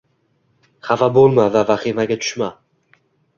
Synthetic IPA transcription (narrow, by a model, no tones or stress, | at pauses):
χavabolˠmavavaχimaɡʲat̪ʰʊ̥ʃma